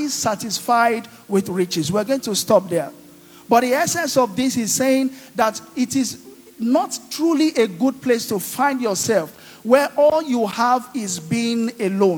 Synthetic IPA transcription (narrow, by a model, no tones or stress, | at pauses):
isatɪsfaɪd | wɪðɹit͡ʃɪswiəɡõɪ̃ŋtʰustɔp̚ðɛ˞ | bʌt̚ðiɛsɛ̃nsɔvðisiz̥seɪ̃ŋðatɪtɪz | nɔttʰɹuliʔeɡud̚pʰlestufãɪ̃ndjɔsɛlˠf | wɛʔɔlˠjuhavɪzbinelõ